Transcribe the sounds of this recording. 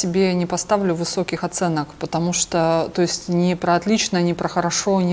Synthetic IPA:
sʲɪbʲenʲɪpɐst̪avlʲʊvɨso̞kʲɪxɐt̪sɛnəkpət̪ɐmuʂt̪ot̪o̞ɪsʲtʲnʲɪpɾəɐt̪lʲit͡ɕnənʲɪpɾəxəɾɐʂo̞nʲɪ

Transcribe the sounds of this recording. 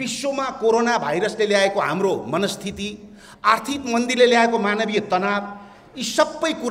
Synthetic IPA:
bisːomakoɾonabʱajɾʌsleljaekoɦa̰mromʌnʌst̪ʰit̪i | art̪ʰikmʌnd̪irleljaekomanʌbijʌt̪ʌnab | isʌbːʌjku

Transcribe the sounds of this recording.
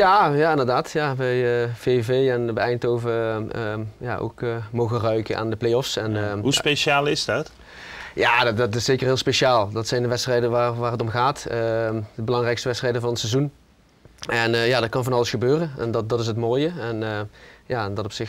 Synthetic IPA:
jajaɪndəɹdaːtjaʋɛjəv̥evejɛnʋəɛjntoːvə | ja̰ːʔo̰wkəmowɣərœɥkənʔa̰ːndəplejɔfsɛnɦuspeʃaːlˠɪzdɑt | jaːdɑtɪsːejkəɹɦɪːlˠspeʃaːlˠdɑtsɛjndəʋɛtstrɛjdəʋaːʋaːrɦətɔmɣaːtədəbəlɑŋrɛjkstəʋɛtstrɛjdəvɑnətsɛzun | ʔɛnjaːdɑt̚kɑnvɑnɑləsxəbøːrəɛ̰ndɑdɑtɪs̬ətmoːjəɛnːjaːdɑtɔpsɪx

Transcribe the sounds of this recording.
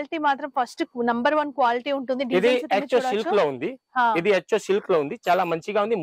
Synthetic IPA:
liʈiːmaːt̪ɾɐmpʰɐsʈnɐmbɐɾʋɐnkʋaːliʈiːuɳʈund̪iɖiid̪iet͡ʃːoʃilkloːund̪iɦãːid̪iet͡ʃːoːʃilkloːund̪it͡ʃaːlaːmɐɲt͡ʃiɡaːund̪im

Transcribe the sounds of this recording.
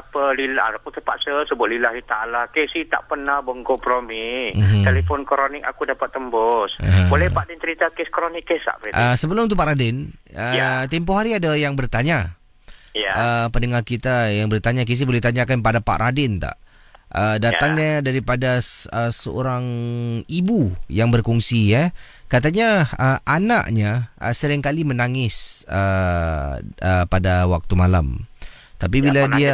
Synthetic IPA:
apəlila̰ɾakut̪əpaʔ̪səsəbuaʔ̚lilahit̪alakesit̪a̰ʔpənahbəŋkɔmpɾomikalipʊnkɾonɪk̚a̰kudapat̪ːəmbɔsɦbolɛhpaʔdɛnt͡ʃəɾit̪akeskɾonɪkːesa̰ʔbəiʔəsəbəlʊmt̪upaʔɾadɪnət̪impoɦaɾiadajaŋbərt̪aɲa | jaəpənəŋarkit̪ajaŋbərt̪aɲak̬is̬ibolɛht̪aɲakanpadapa̰ʔrʔadɪnt̪a̰ʔ | ədat̪aŋɲadaɾipadaəsəo̰ɾaŋibujaŋbərkɔŋsija | kat̪aɲaəana̰ʔɲaə̰səɾɪŋkalimənaŋɪsə | əpadawa̰k̚t̪umala̰m | t̪apibiladia

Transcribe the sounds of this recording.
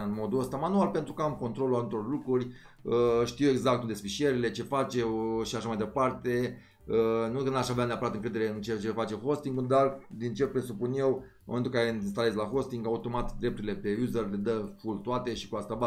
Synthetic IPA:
ɨnmo̞d̪uəst̪amanualpe̞nt̪ɾukəamko̞nt̪ɾo̞luat̪ut̪oɾorlukɾurʲ | əʃt̪iwe̞ɡzak̚t̪und̪espiʃie̞ɾile̞t͡ʃe̞fat͡ʃe̞wʃiaʃamajd̪e̞part̪e̞ | ənukənaʃaveaneapəɾat̪ɨŋkɾe̞d̪eɾe̞ɨnt͡ʃet͡ʃefat͡ʃe̞xo̞st̪iŋɡd̪ard̪int͡ʃe̞lpɾe̞supunje̞w | momnt̪ulkaɾeinst̪ale̞slaxo̞st̪iŋɡaut̪o̞mat̪d̪ɾe̞p̚t̪uɾile̞pe̞uzərle̞d̪əfult̪uat̪e̞ʃi̥kuast̪aba

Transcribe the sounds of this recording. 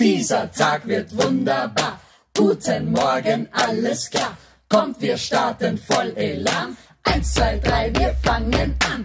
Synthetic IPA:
d̥iːzɐtʰaːkv̥ɪɐtv̥ʊndɐbaːɐ | ɡ̥uːtʰənmɔɐɡənʔaləsklaː | kʰɔmtv̥iːɐʃtaɐtənfɔlʔelaːn | ʔaɪnst͡sv̥aɪdʁaɪviːɐfaŋənʔan

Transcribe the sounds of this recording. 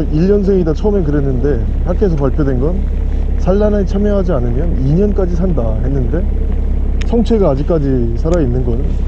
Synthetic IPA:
iʎːʌns̬ʰeŋidat͡ɕʰʌmekɯɾe̞nːɯnde̞ | hak͈ʰe̞s̬ʰʌpaɭpʰjodwe̞nɡʌn | sʰaɭːanet͡ɕʰamjʌɦad͡ʑianɯmjʌniɲʌnk͈ad͡ʑisʰandahe̞nːɯnde̞ | sʰʌŋt͡ɕʰe̞ɡaːd͡ʑik͈̚ad͡ʑi | sʰaɾainːɯnɡʌnɯn

